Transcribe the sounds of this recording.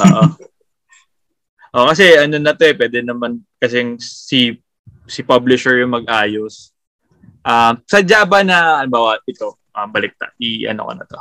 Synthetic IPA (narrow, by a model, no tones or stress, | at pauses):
ʔoːʔoo | ʔokɐs̬ɛʔɐnonɐt̪oɛpwɛːd̪ɛnɐmankɐsɛŋsɪ | sɪpɐblɪʃɛɹjʊŋmɐɡ̚ʔaːjos | ʔamsɐd͡ʒabɐnɐɐlɪmbaːwɐʔɪt̪o̞ | ʔɐmbɐlɪk̚t̪a̰ʔʔiʔɐ̰no̰ko̰nɐ̰t̪o̞